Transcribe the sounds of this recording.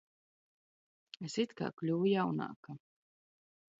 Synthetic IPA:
esit̪ka̰ːklʲuːujawna̰ːka

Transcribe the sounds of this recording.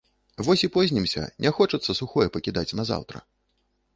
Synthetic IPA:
vɔsʲipɔzʲnʲimsʲɐ̰nʲɛxɔt͡ʂɐt̪sːɐsuxɔjɛpɐkʲid̪at͡sʲnɐza̰wt̪ɾɐ̰

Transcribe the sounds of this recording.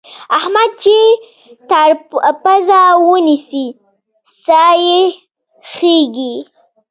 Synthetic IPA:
ahmad̪̚t͡ʃe | t̪aɾpazawənisi | saje | xeɡi

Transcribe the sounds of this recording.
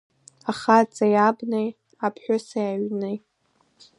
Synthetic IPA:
aχat͡sʼajabnej | apʰħʷᶣʊsajaɥnej

